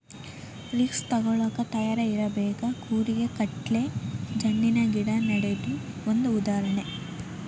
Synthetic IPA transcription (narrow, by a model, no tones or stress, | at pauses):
ɾikst̪ɐɡɔɭɐːkɐt̪ɐjaːɾɐiɾɐbɛːkɐkʰuːɾiɡe̞kɐʈle̞d͡ʒɐnːinɐɡiɽɐnɐɽed̪u | ond̪uːd̪aːɾɐɳe